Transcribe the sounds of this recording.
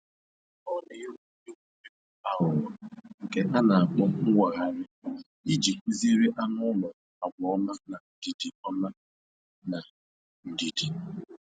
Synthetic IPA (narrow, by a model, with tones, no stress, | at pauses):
ɔ˦ne˨jo˦˨e˦ku˨e˦a˨ɦʊ˨ɾɔ˨ŋ̩˨ke˦ɦa˦na˨a˨k͡pɔ˦ŋʊ˦wʷa˨ɣa˨ɾɪ˦ | i˦d͡ʒi˨i˦zi˦ɾi˦ʔa˦nʊ˦lʊ˨ | a˨ɡ͡bɔ˨ɔ˦ma˦na˨n̩˨di˨di˨ɔ˦ma˦ | na˨ | n̩˨di˨di˨